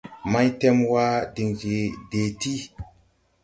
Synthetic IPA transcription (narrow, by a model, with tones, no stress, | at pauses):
ma˦jtɛ˦mwa˦di˨ŋɡe˨de˨ti˦